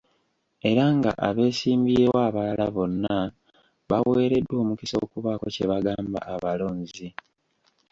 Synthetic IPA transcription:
e̞ɾaŋɡa̰ʔaβe̞ːsiːmbiewaːβalalaβo̞nːa | βawe̞ːɾe̞dwo̞ːmukiso̞ːkuβako̞̰ce̞βaɡaːmba̰ʔaβalo̞ːɲzi

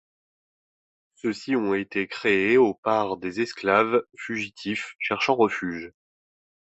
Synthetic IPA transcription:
søsiɔ̃et̪ekχeeopaʁd̪ezɛsklavfyʒit̪ʰifʃɛʁʃɑ̃ʁəfyːʒ

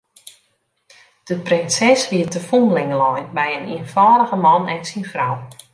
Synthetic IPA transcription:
d̥əprɪnsɛsʋiətəfunlɪŋəlɔjnbɛjəniənfɔːdəɣəmɑnɛnsinfraw

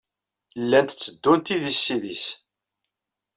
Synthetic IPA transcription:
əlːænt̪t͡sːəd̪ːunt̪iðisːiðis

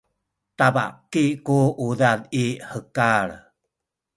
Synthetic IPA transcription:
tava̰kikuuðaniħəkaɭ

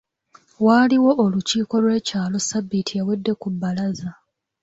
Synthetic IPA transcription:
waːliwo̞ʔoluciːko̞lwe̞ːcaːlo̞sabːitʰijawedːe̞kubːalaza

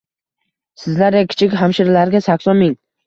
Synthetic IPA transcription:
sɪzlaɾjakʲʰɪ̥t͡ʃʰɪkʲɦamʃɪɾlaɾɡʲasakʲsɒnmɪŋ

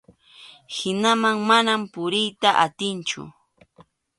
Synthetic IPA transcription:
hɪnamaŋmanampʊɾɪjt̪aʔat̪ɪnt͡ʃʊ̰

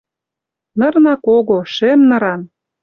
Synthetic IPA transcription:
nɤ̆rnɑkoɣoʃemnɤ̆ɾɑn

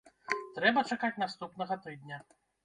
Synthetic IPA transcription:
t̪ɾɛbɐt͡ʂakat͡sʲnast̪upnɐɣɐt̪ɨd̪nʲɐ

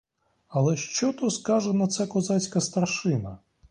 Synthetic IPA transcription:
ɐlˠɛʃt͡ʃɔt̪ɔskɑʒɛnɐt̪sɛkɔzɑt͡sʲkɐst̪ɐrʃɪnɐ

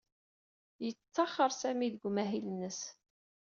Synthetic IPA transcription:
jət͡sːɑχːəɾˤsæmiðəɡʷmæɦilənːəs

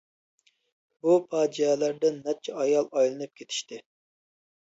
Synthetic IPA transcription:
bupʰɑːd͡ʒiɛlæɾd̪ɛnɛp̚t͡ʃʰɛɑjɑlˠɑjlˠɨnɨp̚kʲʰet̪ʰɪ̥ʃt̪ɪ

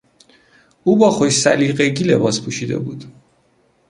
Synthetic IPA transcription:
uːbɒːχoʃsæliːɢeɡilebɒːspʰuːʃiːd̪ḛbuːd̪̥

